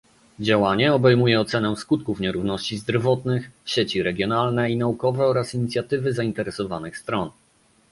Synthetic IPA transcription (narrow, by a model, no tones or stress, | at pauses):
d͡ʑawaɲɛɔbɛjmujɛɔt̪sɛnɛ̃skut̪̚kufɲɛɾuvnɔɕt͡ɕizd̪ɾvɔt̪nɘxɕet͡ɕiɾɛɡʲjɔnalnɛinaukɔvɛɔɾasiɲit̪sʲjat̪ɘvɘzaint̪ɛɾɛsɔvanɘxst̪ɾɔn